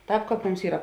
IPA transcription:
ˈtɑːp ˈkɑːp ˈmʊms ˈiːrɐ

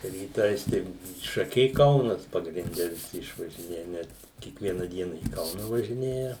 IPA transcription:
rʲiːˈtɐɪs tɐɪ ʃɐˈkʲɛɪ ˈkɐʊnɐs pɐɡrʲɪnʲˈdʲɛ ʋʲɪˈsʲɪ ɪʃʋɐʒʲɪˈnʲeːjɛ ˈnʲɛt kʲiɛkˈʋʲiɛnɐ ˈdʲiɛnɐ iː ˈkɐʊnɐ ʋɐʒʲɪˈnʲeːjɛ

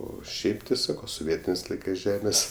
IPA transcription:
ˈoː ˈʃʲɛɪp tʲɪ ˈsɑːkoː soːˈʋʲiɛtʲɪnʲeːs ˈlˠɐɪkɜs ˈʒʲæːmʲeːs

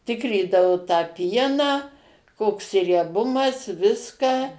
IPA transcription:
ˈtʲɪkrʲiːdɐʋʊ tɑː ˈpʲiɛnɑː ˈkoːks rʲiɛˈbʊmɐs ˈʋʲɪskɐ

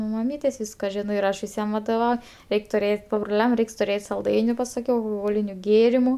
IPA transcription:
nʊ mɐˈmʲiːtʲeːsʲ ˈʋʲiːskɐ ˈʒʲɪnoː ɪr ˈɐʃ ʋʲɪˈsʲiɛm ʋɐdoːˈʋɐʊ ˈrʲɛɪkʲ tʊˈrʲeːtʲ pɐbrʊˈlʲɛm ˈrʲɛɪks tʊˈrʲeːtʲ sɐlˠˈdɐɪnʲʊ pɐsɐˈkʲɛʊ ɐlˠxoːˈɣoːlʲɪnʲʊ ˈɡʲeːrʲɪmʊ

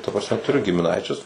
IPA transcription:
tɐ prɐsʲˈmʲɛ tʊˈrʲʊ ɡʲɪmʲɪˈnɐɪt͡ʃʲʊs

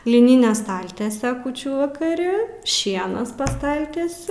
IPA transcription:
lʲɪˈnʲɪnʲɛ ˈstɐlʲtʲiɛsʲɛ ˈkuːt͡ʃʲuː ʋɐkɐˈrʲɪ ˈʃʲiɛnɐs pɐ ˈstɐlʲtʲiɛsʲʊ

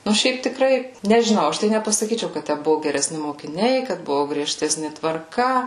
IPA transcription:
ˈnʊ ˈʃʲɛɪp tʲɪˈkrɐɪ nʲɛʒʲɪˈnɐʊ ˈɐʃ tɐɪ nʲɛpɐsɐˈkʲiːt͡ʃʲɛʊ kɐt ˈtʲæ ˈbʊʋʊ ɡʲɛrʲɛˈsʲnʲɪ moːkʲɪˈnʲɛɪ kɐt ˈbʊʋʊ ɡrʲiɛˈʃʲtʲæːsʲnʲɪ tʋɐrˈkɐ

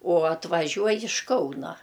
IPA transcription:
oː ɐtʋɐˈʒʲuɔj ɪʃ ˈkɐʊnɐ

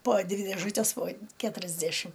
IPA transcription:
poː ˈdʲʋʲɪ dʲeːˈʒʊtʲɛs poː ˈkʲæːtʊrʲɛzʲdʲæʃʲɪm

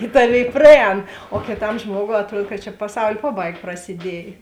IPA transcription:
ɪ ˈtɑːˌʋʲeːɪ prɐˈɛːn oː kʲɪˈtɐm ˈʒmuɔɡoːʊ ɐtˈruɔt kɐt t͡ʃʲɛ pɐˈsɐʊlʲ ˈpɑːˌbɐɪk prɐsʲɪˈdʲiɛj

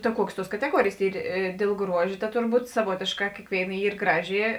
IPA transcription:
tɐ ˈkuɔkʲeːs ˈtuɔs kɐtʲɛˈɡuɔrʲeːjeːs ˈiːr eː dʲeːlˠ ˈɡruɔʃʲ tɐ ˈtʊrˌbuːt sɐˈʋuɔtʲeːʃˌkɑː ˈkʲeːkʋʲeːɪˌnɐ ˈiːr ˈɡrɑːˌʒʲɪ

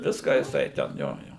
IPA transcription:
ˈʋʲɪskɑː jɪˈsɐɪ tʲɛn ˈjoː ˈjoː

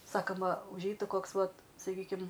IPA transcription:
ˈsɑːkɐmɐ ʊʒʲˈɛɪtʊ ˈkoːks ˈʋɐt sɐˈkʲiːkʲɪm

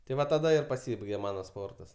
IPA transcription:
tɐɪ ˈʋɐ tɐˈdɐ ɪr pɐˈsʲiːbɐɪɡʲeː ˈmɑːnɐ ˈspoːrtɐs

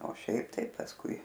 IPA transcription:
oː ˈʃʲɛɪp tɐɪ pɐsˈkʊɪ

